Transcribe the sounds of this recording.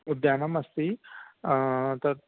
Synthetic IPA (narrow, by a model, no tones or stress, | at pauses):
ud̪jaːnɐmɐst̪i | t̪ɐ